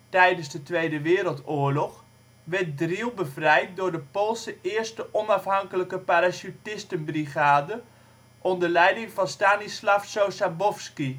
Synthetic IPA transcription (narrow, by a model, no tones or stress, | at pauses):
tɛjdənzdətʋejdəʋɪːɾəlˠtoːəɹlɔχ | ʋɛt̚drilˠbəvrɛjt̚dʊːɹdəpolˠsəɪːɹstəʔɔnɑfɦɑŋkələkəpaɾasytɪstənbriχaːdə | ʔɔndəlɛjdɪŋvɑnstaːnislafsowsabɔfski